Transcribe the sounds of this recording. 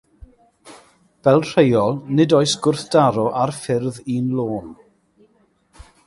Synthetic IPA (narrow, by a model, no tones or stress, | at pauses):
v̥ɛlˠr̥ejɔlˠnɨdɔɨsɡ̥ʊrθd̥aɾɔʔarfɪrðiːnlˠoːn